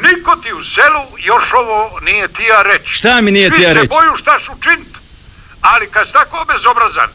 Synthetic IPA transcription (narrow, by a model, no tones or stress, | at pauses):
nikot̪iuselujoʃoʋoːnijet̪ijaɾet͡ʃʃt̪aminijeiijaɾet͡ʃbojuʃt̪aʃut͡ʃinit̪ | alikad̪si̥t̪akoːbezobɾaza̰n